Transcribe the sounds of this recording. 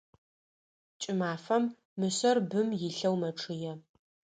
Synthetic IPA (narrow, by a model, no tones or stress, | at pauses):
t͡ʃʼɪmaːfɐmː | ɨsɐrbɨmjɪɬɐwmɐʈ͡ʂʰɨjɛ